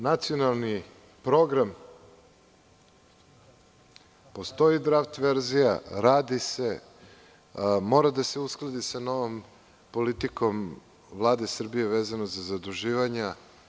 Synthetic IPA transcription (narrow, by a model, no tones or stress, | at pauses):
nat̪sio̞nalˠni | pɾo̞ɡɾam | po̞st̪o̞id̪ɾaft̪ʋe̞ɾzijaɾaːd̪ise̞ | mo̞ːɾad̪aseusklˠad̪isano̞ʋo̞m | po̞lit̪iko̞m | vlˠaːd̪esr̩bije̞ʋeːzanozazad̪uʒiːʋaɲa